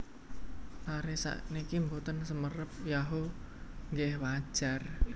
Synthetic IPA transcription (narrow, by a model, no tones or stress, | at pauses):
t̪aɾesa̰ʔnikimbot̪ənsəmərəp̚jaɦo | ŋɡɪhwḁʒ̥ar